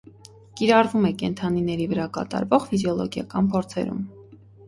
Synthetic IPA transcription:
kiɾɑɾvumɛkɛnt̪ʰɑninɛɾivəɾɑkɑ̰t̪ɑ̰ɾvɔʁfizjɔlɔ̰ɡjɑ̰kɑnpʰɔɾt͡sʰɛ̰ɾṵm

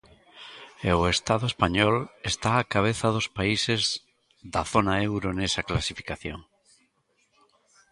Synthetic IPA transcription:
eoest̪aðoespaɲɔlest̪aːkaβ̞eθaðospaisez | ðaθonaewɾonesaklasifi̥kaθjo̰ŋ

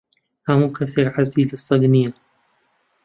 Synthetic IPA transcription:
ʔamuːkaθiɾʕaziːlɨsˤːɑɡniː

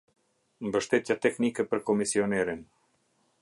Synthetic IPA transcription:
mbəʃt̪ɛt̪jat̪ɛknikɛpəɾkɔmisiɔnɛɾin

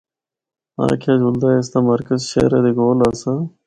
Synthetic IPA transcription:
a̰ːkʰjaːd͡ʒʊld̪aːes̬t̪ãːməɾkəzʃḛːɾḛːd̪eːɡoːlaːsaː

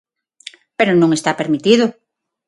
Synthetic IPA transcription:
peɾonõŋest̪apeɾmit̪iðo

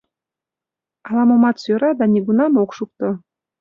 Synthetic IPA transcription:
ɑlɑmomɑt̪søɾɑd̪ɑnʲiɡunɑmokʃuk̚t̪ɤ̆

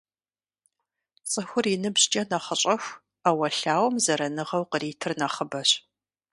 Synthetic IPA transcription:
t͡sʼəxʷʊrinɨbʑt͡ʃʼɐnaχɐɕʼɐxʷ | awɐɬaːwmzɐɾɐnɨʁɐwqəriːtʰɨrnaχəbɐɕ

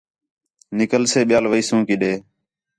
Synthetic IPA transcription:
nɪkəlseːɓɪjaːlʋəiːsũːkɪɗeː

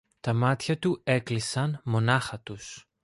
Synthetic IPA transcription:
t̪ɐmɐt̪çɐt̪ue̞klisɐnmo̞nɐxɐt̪us

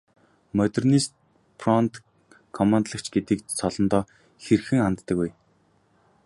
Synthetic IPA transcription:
mɔt̪ernist̪̚ | prɔnt̪ | kʰɔmant̪ɮə̆kt͡ɕʰɡet̪ĭːk̚t͡sʰɔɮɞ̆nt̪ɔː | xerxɘ̆ŋant̪ːə̆kuj

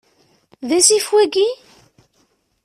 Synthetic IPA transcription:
ðæsifwæɡi

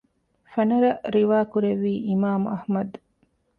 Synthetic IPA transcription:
fɐnɐɾɐɾiʋaːkuɾeʋːiːʔimaːmuɐhmɐd̪

